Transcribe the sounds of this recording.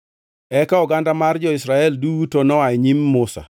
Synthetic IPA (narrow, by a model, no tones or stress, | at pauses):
ɛkaɔɡandamard͡ʒɔɪsɾaɛlduutonɔajɲimːʊsa̰